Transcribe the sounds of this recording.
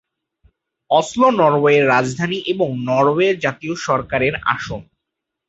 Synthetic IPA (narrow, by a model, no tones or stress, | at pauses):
ɔslonɔɾweeɾːad͡ʑd̪ʱaniʔeboŋnɔɾoeɾd͡ʑat̪ioʃɔɾkaɾeɾa̰ʃom